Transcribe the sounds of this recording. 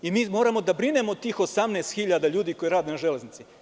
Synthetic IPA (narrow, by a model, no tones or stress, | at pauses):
imiːmo̞ːɾamo̞d̪abɾine̞mo̞t̪iːxosamneːst̪xiʎad̪aʎuːd̪iko̞jeɾaːd̪jenaʒele̞znit̪si